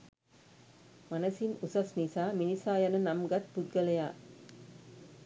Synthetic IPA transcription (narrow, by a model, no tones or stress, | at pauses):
manəsinusasnisaːminisaːjanənamɡat̪̚pud̪̚ɡələjaː